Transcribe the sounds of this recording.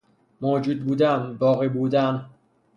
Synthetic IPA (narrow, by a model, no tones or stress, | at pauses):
moːd͡ʒuːd̪̚buːd̪æmbɒːɣebuːd̪æm